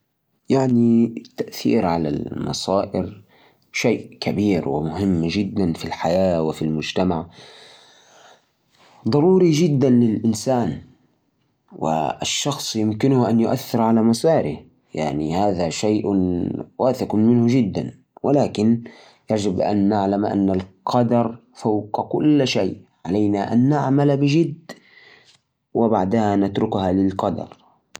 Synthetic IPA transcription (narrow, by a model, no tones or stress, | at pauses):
jaʕnit̪ːaʔθḭːɾʕala̰lmɑ̰sˤɑːʔɪ̰ɾ | ʃaːʔkʰabiːɾwɪ̰mʊɦɪmːʒɪd̪ːanfilħajaːwɪfilmʊd͡ʒt̪amaʕ | d̪ˤɑɾuːɾid͡ʒɪd̪ːanlɪlʔɪnsaːn | wɪ̰ʃːɑxsˤjɪmkɪnhʔanjʊʔaθːɪɾʕalamasˤɑːɾɪh | ja̰ʕnihaːðaʃajʔwaːθɪqmɪnhʊd͡ʒɪd̪ːa̰n | wɪlaːkɪn | jad͡ʒɪbʔa̰nːaʕlamaʔa̰nːalqʰɑd̪ɑɾˤ | fawqkʊlːʃajʔʕalajnaʔanːaʕmalabɪd͡ʒɪd̪ː | wɪbaʕd̪ahanat̪ɾʊkhalɪlqɑd̪ɑ̰ɾˤ